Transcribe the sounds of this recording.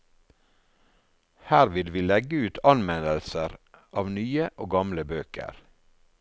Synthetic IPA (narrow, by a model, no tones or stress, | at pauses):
hæːɾʋɪd̪ʋiːlɛɡəʉːt̪ʰɑnmɛnəlsəɾʔɑːʋnyːəʔoːɡɑmləbøːkʰə̰ɾ